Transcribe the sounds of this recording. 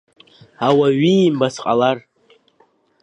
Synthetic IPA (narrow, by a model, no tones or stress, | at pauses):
awaɥiːmbasqʼalar